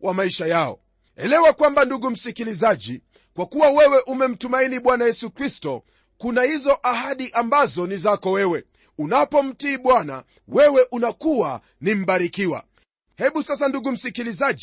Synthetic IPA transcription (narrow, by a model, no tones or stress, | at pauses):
wʔamaiʃajaɔ̰ | ɛ̰lɛwakwambanduɡum̩sikilizaʄi | kwakuwawɛwɛʔumɛm̩tumainiɓwanajɛsukɾistɔ | kunahizɔʔaɦaɗiʔambazɔnizakɔwɛwɛ | unapɔm̩tiːɓwana̰ | wɛwɛʔunakuwa̰ | nim̩ɓaɾikiwa̰ | hɛɓusas̬anduɡum̩sikilizaʄ